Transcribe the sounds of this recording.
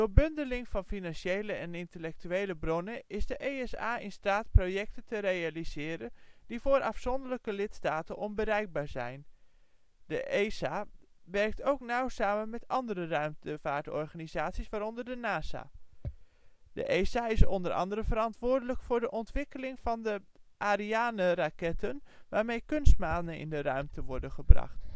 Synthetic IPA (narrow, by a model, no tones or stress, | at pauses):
d̥oːɹbɵndəlɪŋv̥ɑnfinɑnʃejləɛnɪntəlɛk̚tyejləbrɔnəʔɪzdəʔejɛsa̰ːɪnstaːtprojɛk̚təntərejalizɪːɾənd̥ivʊːɾʔɑfsɔndələkəlɪtstaːtənʔɔnbəɾɛjɡ̚baːɹzɛ̰jn | dəʔesaː | ʋɛrk̚towknawsaːmənmɛtɑndərərœɥmtəv̥aːɹtɔ̰ɹχaːnizaːtsisʋaːɾɔndəɹdənaːza̰ː | də̰ʔesaːɪsɔndəɾɑ̰ndəɾəvəɾɑntʋʊːɹdələkfʊːɹdəʔɔntʋɪkəlɪŋvɑndə | ʔaːɾiaːnərakɛtənʋaːɹmejkɵnst̚maːnənɪ̰ndərœɥmtʰəʋɔɹdənχəbrɑ̰χt